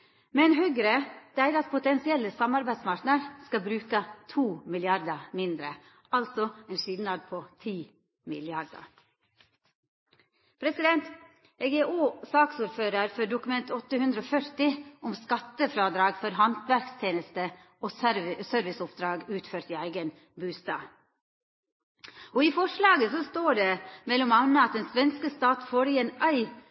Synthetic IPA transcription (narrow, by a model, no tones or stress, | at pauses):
mɛnɦœɡɾəd̪̥æɪɾɑt̪̚pʰʊt̪ɛnsɪɛlːəsɑmɑɾbæɪsmɑɾʈnəɾskɑbɾʉːkət̪ʰuːmɪlɪɑɾd̪əmɪnd̪ɾə | ɑlt̪sɔɛnʂɪlnɑd̪pʰot̪ʰiː | mɪ̰lɪɑɾd̪ə̰ɾ | pʰɾɛsɪd̪ɛnt̪ | ɛɡɛʔoːsɑːksuːɾføːɾəɾfœɖʊkʉmɛnt̪ʰɔt̪ːəhʉnd̪ɾəɔːfœɾt̪ɪʔɔmskɑt̪ːəfɾɑːd̪ɾɑːɡfɔɾɦɑnt̪ʋæɾkst̪ʰjeːnəst̪ə | osøːɾʋɪsʊpd̪ɾɑːɡʉːt̪føːɾt̪iːæɪɡən | bʉːst̪ɑːʋ | oifɔʂlɑːɡəsɔst̪oːɖɛmɛlːɔmɑʋnəɑt̪̚d̪ɛnsʋɛnskəst̪ɑːt̪foːɾieːnæɪ